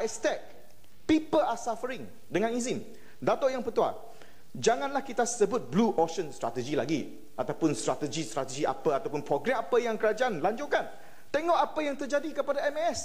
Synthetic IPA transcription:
ɛst̪ɛk̚ | pipəasafəɾɪŋ | dəŋãnizɪm | dat̪oʔjaŋpət̪ua̰ | d͡ʒaŋãnlahkit̪asəbʊt̪̚bluʔoʃənst̪ɾat̪əd͡ʒilaɡi | ʔat̪awpʊnst̪ɾat̪əd͡ʒist̪ɾat̪əd͡ʒiʔa̰pəat̪awpʊnpɾoɡɾɛmapəjaŋkəɾad͡ʒaʔanlaɲd͡ʒukan | t̪əŋɔʔapajaŋt̪ərd͡ʒadikəpadaɛmɛs

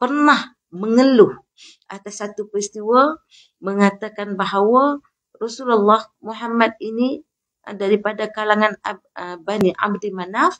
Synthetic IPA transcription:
pərnah | məŋəluh | ʔat̪asːat̪upɾist̪iwa | məŋat̪akanbaɦawa | rɔsulalːahmuɦamːat̪̚ini | daɾipadakalaŋanaəbaniʔa̰bdimanaf

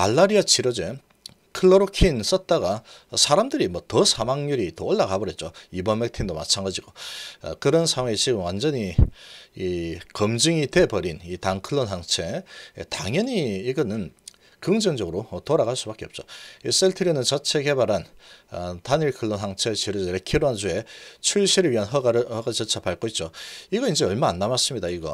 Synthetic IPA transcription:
aɭːaɾiat͡ɕʰiɾʌd͡ʑe | kʰɯɭːoɾokʰins͈ʌt̚t͈aɡasʰaɾamdɯɾimwʌtʌsʰamaŋɲuɾitooɭːaɡabʌɾet̚t͡ɕ͈oibʌnmek̚tʰindoma̰t͡ɕʰanɡad͡ʑiɡo̰kɯɾʌnsʰaŋwait͡ɕiɡɯmwand͡ʑʌɲi | ikʌmd͡ʑɯŋite̞pʌɾinitaŋkʰɯɭːonɦaŋt͡ɕʰe̞taŋjʌɲiːɡʌnɯn | kɯŋd͡ʑʌŋd͡ʑʌɡɯɾotoɾaɡɣaɭs͈ubak͈eʌp̚t͡ɕ͈oes͈eɭtʰɯɾjonɯnt͡ɕʌt͡ɕʰe̞ɡe̞baɾan | taniɭkʰɯɭːonɦaŋt͡ɕʰet͡ɕiɾɯd͡ʑɾekʰiɾoɦand͡ʑue̞t͡ɕʰuɭɕʰiɾɯɭɥiɦanɦʌɡaɾɯɭhʌɡat͡ɕʌt͡ɕʰapaɭk͈oit̚t͡ɕ͈oiɡʌind͡ʑe̞ʌɭmaanːamas͈ɯmɲidaiɡʌ

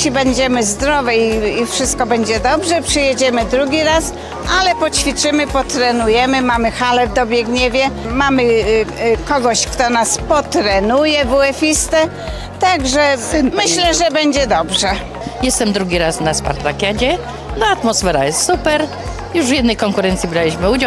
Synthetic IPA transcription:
ibɛɲd͡ʑɛmɘzd̪ɾɔvɛiːfʂɘst̪̚kɔbɛɲd͡ʑɛd̪ɔbʐɛpʂɨjɛd͡ʑɛmɘd̪ɾuɡʲiɾas | ʔalɛpɔt͡ɕfʲit͡ʂɘmɘpɔt̪ɾɛnujɛmɘmamɘxalɛvd̪ɔbʲjɛɡɲɛvʲjɛmamɘ | kɔɡɔɕkt̪ɔnaspɔt̪ɾɛnujɛvuɛfʲist̪ɛ | t̪aɡʐɛmɘɕlɛʐɛbɛɲd͡ʑɛd̪ɔbʐɛ | jɛst̪ɛmd̪ɾuɡʲiɾasnaspa̰ɾt̪ɾakʲjad͡ʑɛ | naat̪mɔsfɛɾa̰jɛst̪supɛɾ | juʐvʲjɛd̪nɛjkɔŋkuɾɛnt̪sʲibɾalʲiɕmɘud͡ʑaw

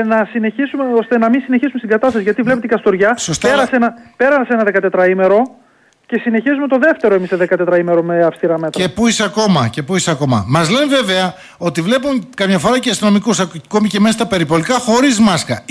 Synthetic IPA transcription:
nɐsineçisumeost̪enɐminsine̞çisumest̪iɡɐt̪ɐst̪ɐsiʝɐt̪ivlept̪ikɐst̪o̞ɾʝɐsost̪eɾɐsenɐpe̞ɾɐsɐseenɐðe̞kɐt̪e̞t̪ɾɐime̞ɾo̞ | ce̞sine̞çizume̞t̪o̞ðe̞ft̪e̞ɾoe̞miseðekɐt̪e̞t̪ɾɐime̞ɾo̞me̞ɐfst̪iɾɐme̞t̪ɾepuiseɐko̞mɐce̞puiseɐko̞mɐ̰mɐzle̞nve̞ve̞ɐ | o̞t̪ivle̞pukɐmɲɐfo̞ɾɐceɐst̪ino̞mikusɐko̞mice̞me̞sɐst̪ɐpe̞ɾipo̞likɐxo̞ɾizmɐskɐ

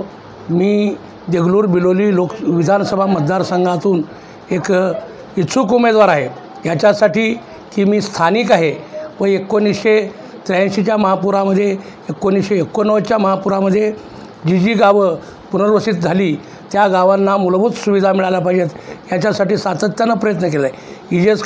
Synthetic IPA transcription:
miː | d̪eɡluːɾbiloliːlokʋid̪ʱansəbʱamət̪̚d̪aɾsəŋɡat̪uːn | ek | it͡sʰukumed̪ʋaɾaɦe | jat͡ɕasaʈiː | kiːmiːst̪ʰaniːkaɦepəekːonisɕe | t̪ɾãɕit͡ɕjaməɦapuɾaməd̪ʱːjeː | kːonisɕeːkːonəʋt͡ɕjaməɦapuɾaməd̪ʱːje | d͡ʑid͡ʑiːɡaʋə | punəɾʋəsiːt̪̚d͡zʱaliː | t̪jaɡaʋanːamulbut͡ssuʋid̪ʱamiɭalapaid͡ʑet̪jat͡ɕasaʈiːsat̪ət̪janːapɾəjət̪̬nəkelae | id͡ʑet͡s

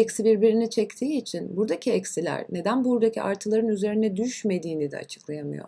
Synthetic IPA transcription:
ɛcsibiɾbiɾinit͡ʃʰɛct̪ʰiːt͡ʃʰinbuɾd̪acʰiɛcsilʲæ̰ɾne̞d̪ænbuɾd̪acʰiʔaɾt̪ʰɯlˠaɾɯnyze̞ɾinɛd̪yʃme̞d̪iːnid̪ɛ̰a̰t͡ʃʰɯ̥klˠajamɯ̰jo̰ɾ

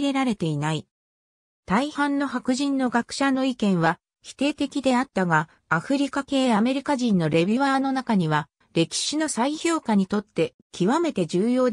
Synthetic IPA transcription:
ɾe̞ɾaɾe̞t̪e̞inai | t̪aihãnːo̞ɦakɯ̟ʑĩnːo̞ɡakɯ̟̥ɕano̞ikẽ̞ɰ̃βa | çi̥t̪e̞ːt̪e̞kʲid̪e̞at̪ːaɡaː | ɸɯ̟ɾʲikake̞ːjame̞ɾʲikaʑĩnːo̞ɾe̞bʲɨβaːno̞nakaɲ̟iβa | ɾe̞kʲi̥ɕino̞saiço̞ːkaɲ̟it̪o̞t̪ːe̞ | kʲiβame̞t̪e̞d͡ʑɨːjo̞ːd̪

